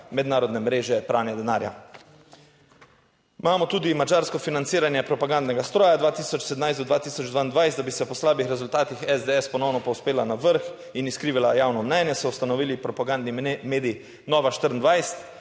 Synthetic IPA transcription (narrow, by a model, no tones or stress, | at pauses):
mɛd̪naːɾɔd̪nɛmɾeːʒɛpɾaːwnjad̪ɛnaːɾja̰ | maːmɔt̪uːd̪imad͡ʒaːɾskɔfinant̪siːɾanjɛpɾɔpaɡand̪nɛɡast̪ɾɔːjad̪ʋaːt̪iːsɔt͡ʃsɛd̪najsd̪ɔd̪ʋaːt̪iːsɔd͡ʒd̪ʋaind̪ʋajst̪abisɛpɔslaːbixɾɛzult̪aːt̪ixɛzd̪eɛspɔnownɔpɔwspeːlanaʋəɾx | iniskɾiːʋilajaːwnɔmnɛnjɛsɔust̪anɔʋiːlipɾɔpaɡand̪nimeːd̪ij | nɔːʋaʃt̪əɾənd̪ʋajst̪